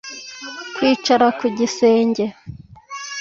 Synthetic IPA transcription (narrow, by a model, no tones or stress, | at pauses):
kwiːt͡ʃaɾakuɟise̞ːɲɟe̞